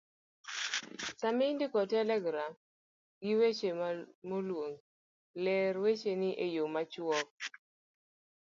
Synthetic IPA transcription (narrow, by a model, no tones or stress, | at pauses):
samɪndɪkɔtɛlɛɡɾam | ɡɪwet͡ʃemolwoŋ | lɛɾwet͡ʃenɪʔejomat͡ʃwɔk̚